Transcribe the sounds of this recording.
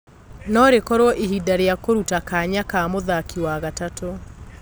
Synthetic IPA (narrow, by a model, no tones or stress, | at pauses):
nɔɾekɔɾwɔʔiɦidaɾeakoɾutakaɲakamoðakiwaɣatato